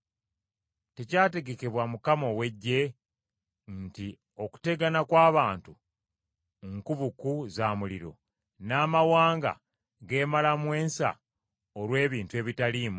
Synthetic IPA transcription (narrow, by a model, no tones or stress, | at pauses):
te̞caːte̞ɡe̞ke̞βwamukamo̞we̞ɟːe̞ | nti | o̞ku̥te̞ɡanakwaːβaːntu | ŋkuβukuzaːmuliɾo̞̰ | naːmawaːŋɡa̰ | ɡe̞ːmalamwe̞ːnsa̰ | oɾwe̞ːβiːntue̞ːβitaliːmu